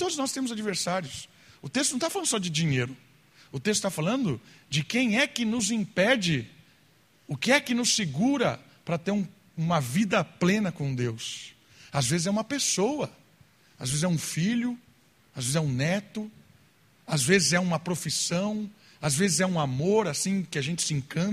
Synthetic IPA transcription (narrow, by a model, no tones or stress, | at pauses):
t̪od̪ʊznɔst̪ẽmʊzad͡ʒiveɾsaɾiʊs | ʊt̪est̪ʊnɐ̃t̪aflɐ̃d̪ʊsɔd͡ʒɪd͡ʒĩɲejɾʊ | ʊt̪est̪ʊ̥t̪afalɐ̃nd̪ʊd͡ʒɪkẽj̃ɛkɪnʊzĩpɛd͡ʒɪ | ʊkɪɛkɪnʊsːɪɡuɾɐ | pɾɐt̪eɾũ | ũmɐvid̪ɐplẽnɐkõd̪ews | azvezɪzɛũmɐpesowɐ | azvezɪzɛũfiʎʊ | azvezɪzɛũnɛt̪ʊ | azvezɪzɛũmɐpɾofisɐ̃w̃ | azvezɪzɛũamoɾasĩkɪaʒẽnt͡ʃɪ̥sẽŋkɐ̃